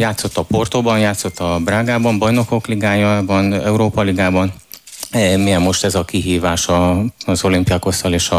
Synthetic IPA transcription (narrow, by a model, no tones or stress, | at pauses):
jaːt̪so̞t̪ːɒpo̞rt̪obɒnjaːt̪so̞t̪ːɒbraːɡaːbɒmbɒjno̞ko̞kliɡaːjɒbɒnɛuɾoːpɒliɡaːbɒn | mijɛmːo̞ʃt̪ɛzɒkiɦiːvaːʃɒzo̞limpiɒko̞st̪ɒleːʃɒ